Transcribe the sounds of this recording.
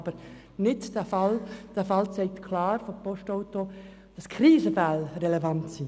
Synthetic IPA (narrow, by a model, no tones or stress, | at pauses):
bəɾ | nɪtd̥æfɑld̥æfɑlt͡sɛɪk̚tkʰlɑːɾfopɔʃtɔʊto | d̥ɑskʰriːzəfælrɛlɛvɑntsi